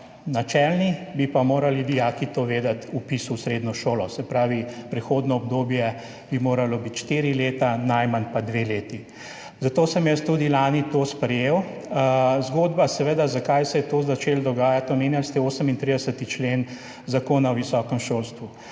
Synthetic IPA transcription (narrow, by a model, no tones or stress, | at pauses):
nat͡ʃɛːlnibipamoːɾalid̪ijaːkit̪oʋeːd̪at̪upisusɾeːd̪nɔʃoːlɔsɛpɾaːʋipɾɛxoːd̪nɔɔb̚d̪oːbjɛ | b̥imoːɾalɔbit̪ʃt̪iːɾileːt̪anajmanpad̪ʋeleːt̪i | zat̪oːsəmjɛst̪uːd̪ilaːnit̪oːspɾɛjeːw | zɡoːd̪basɛʋeːd̪azakajsɛjɛt̪oːzat͡ʃeːld̪ɔɡaːjat̪ɔmeːnjalst̪ɛoːsəmint̪ɾid̪əsət̪it͡ʃlen | zakoːnawʋisɔːkəmʃoːlst̪ʋu